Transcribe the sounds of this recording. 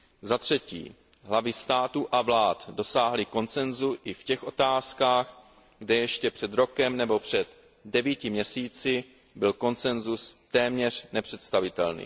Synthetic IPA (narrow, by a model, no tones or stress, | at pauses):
zat̪r̝̥ɛcḭː | ɦlavɪst̪aːt̪uʔavlaːt̪do̞saːɦlɪko̞nt͡sɛnzuʔɪfcɛxʔo̞t̪aːskaːx | ɡdɛjɛʃcɛpr̝̥ɛd̪ɾo̞kɛmnɛbo̞pr̝̥ɛd̪ | dɛviːcɪmɲɛsiːt͡sɪ | bɪlko̞nt͡sɛnzust̪ɛːmɲɛr̝̥nɛpr̝̥ɛt̪st̪avɪt̪ɛlnḭː